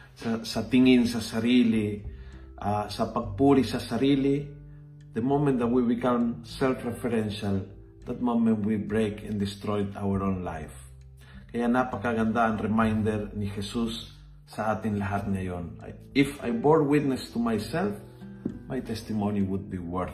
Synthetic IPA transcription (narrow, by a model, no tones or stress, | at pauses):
asat̪iŋĩnsasaɾili | ʔasapak̚puɾisasaɾili | d̪əmomɛ̃nt̪d̪at̪̚wibikãmsɛlfɹɛfɛɾɛ̃nʃal | d̪at̪̚momɛ̃ntwibɹekʰɛ̰̃nd̪ist̪ɾojt̪a̰wəɹõnla̰jf | kajanapakaɡãnd̪ãːnɾɛmãjnd̪ɛɾnihɛsusː | aat̪inlaɦat̪̚niajona̰ | ifa̰jboɹwit̪̚nɛst̪umajsɛlf | majt̪ɛst̪imõniwud̪̚biwɛɹ